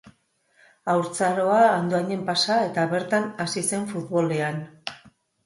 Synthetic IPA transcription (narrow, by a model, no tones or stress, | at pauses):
awɾt͡saɾo̞aːnd̪oaɲe̞mpasae̞t̪aβe̞ɾt̪anasise̞ɱfut̪βo̞le̞an